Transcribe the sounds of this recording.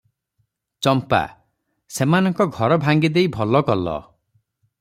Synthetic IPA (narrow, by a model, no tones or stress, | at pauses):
t͡ʃɔmpa̰ | semanɔŋkɔɡʱɔɾɔbʱaŋɡid̪ejbʱɔlɔkɔlɔ̰